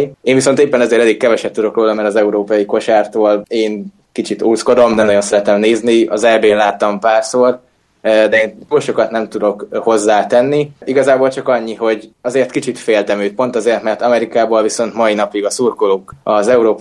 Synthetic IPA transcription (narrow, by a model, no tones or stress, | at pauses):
eːnviso̞nt̪eːpːɛnɛzeːɾɛlikkɛvɛʃɛp̚t̪ud̪o̞kroːlɒmɛɾɒzɛuɾoːpɒjiko̞ʃaːrt̪oːleːn | kit͡ʃit̪uːsko̞d̪o̞md̪ɛnɒjo̞nsɛɾɛt̪ɛmneːzniɒ̰zɛbeːnlaːt̪ːɒmpaːrsoːr | d̪ɛeːnt̪uːlʃo̞kɒt̪nɛmt̪ud̪o̞kho̞zːaːt̪ɛnːiiɡɒzaːboːlt͡ʃɒkɒɲːiɦo̞ɟɒzeːrt̪kit͡ʃit̪feːlt̪ɛmøːt̪̚po̞nt̪ɒzeːrt̪mɛrt̪ɒmɛɾikaːbolviso̞n̪t̪mɒinɒpiɡɒsuːrkoloːkɒzɛuɾoːp